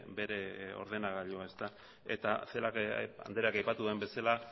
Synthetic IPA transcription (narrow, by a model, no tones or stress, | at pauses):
be̞ɾe̞o̞̰ɾð̞e̞naɣaʎoae̞st̪a | e̞̰t̪ase̞laka̰nd̪eɾeakajpat̪uðuembe̞sala